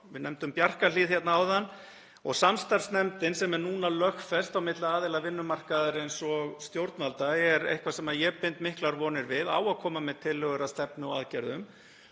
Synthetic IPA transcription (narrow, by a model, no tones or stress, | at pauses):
vɪnɛmt̪ʏmpjar̥kaliːðçɛt̪naawðanː | ɔɣsamst̪aɾsnɛmt̪ɪnsɛmɛɾnuːnalœxfɛst̪awmɪt̪laaːðɪlavɪnːʏmar̥kaðʏɾɪejnsɔɣst̪jowɾt̪nalt̪aɛɾḛjhkvasɛmaðjɛpent̪mɪhklaɾvɔːnɪɾvɪða̰ːwaðkʰɔːmamɛðt̪ʰɪlːɛɣʏɾast̪ɛpnɪɔaðcɛɾðʏm